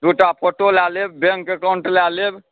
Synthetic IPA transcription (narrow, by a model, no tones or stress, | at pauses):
d̪uʈapʰoʈolaːlebbeŋkekaʊɳʈlaleb